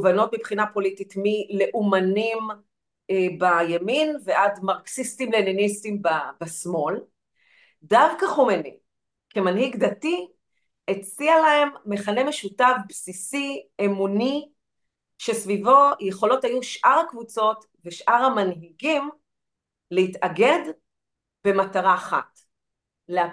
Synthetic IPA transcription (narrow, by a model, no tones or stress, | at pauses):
vano̞t̚mipχinapo̞lititmile̞ʔumanim | ebajeminveʔadmaʁksistimleninistimbabasmo̞l | davkaχomenḭ | kemanhiɡdati | et͡sialae̞mːe̞χale̞me̞ʃutavbsisiemuni | ʃe̞svivo̞je̞χo̞lo̞thajuʃʔaʁakvut͡so̞t | veʃʔaʁamanɦiɡim | lehitʔɐɡe̞d | b̥e̞mataʁaːχa̰t | lea